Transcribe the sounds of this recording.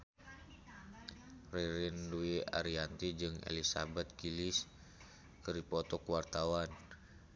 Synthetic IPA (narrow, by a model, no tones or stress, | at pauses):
riɾinduia̰ɾiant̪id͡ʒɨŋḛlisa̰bɛt̪̚kilis | kɨripɔt̪ɔkwart̪awan